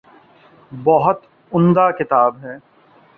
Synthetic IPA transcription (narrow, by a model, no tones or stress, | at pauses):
bɔɦʊt̪ | ʊ̃nd̪akɪt̪aːbɦɛː